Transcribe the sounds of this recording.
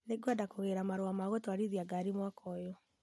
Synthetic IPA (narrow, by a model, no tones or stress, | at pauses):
neɡwadakoɣeɾamaɾoamaɣotwaɾiðiaɡaɾimwakʰɔjɔ